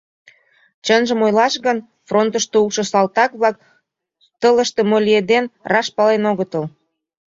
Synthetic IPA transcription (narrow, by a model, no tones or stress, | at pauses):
t͡ɕənʒəmojlɑʃɣən | front̪əʃt̪eulʃɤ̆sɑlt̪ɑkβlɑk̚ | t̪ələʃt̪e̽molʲied̪enrɑʃpɑlenoɣət̪əl